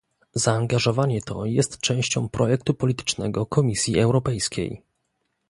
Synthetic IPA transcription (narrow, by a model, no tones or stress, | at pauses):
zaːŋɡaʐɔvaɲɛt̪ɔ̰jɛst̪t͡ʂɛ̃w̃ɕt͡ɕɔ̰̃w̃pɾɔjɛk̚t̪upɔlʲit̪ɘ̥t͡ʂnɛ̰ɡɔkɔmʲisʲjiɛwɾɔpɛjskʲḛj